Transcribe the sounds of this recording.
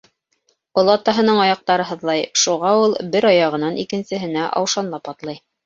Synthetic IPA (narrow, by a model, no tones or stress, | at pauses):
olˠɑt̪ɑɦɤ̆nɤɴɑjɑq̚t̪ɑɾɤɦɤ̆ðlˠɑjʃuʁɑulˠbɘɾɑjɑʁɤ̆nɑnʔḭkɘ̆nsɘ̆ɦɘ̆næʔɑ̰wʃɑnlˠɑpɑt̪lˠɑj